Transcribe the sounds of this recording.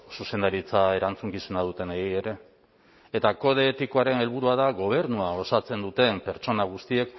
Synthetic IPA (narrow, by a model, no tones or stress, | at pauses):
suse̞nd̪aɾit͡sae̞ɾant͡suŋkisenaðut̪e̞neɣie̞ɾe̞ | et̪ako̞ð̞eːt̪iko̞aɾe̞ne̞lβuɾuaðaɣo̞β̞e̞ɾnuao̞sat͡se̞nd̪ut̪e̞mpe̞ɾt͡ʃo̞naɣ̞ust̪ie̞k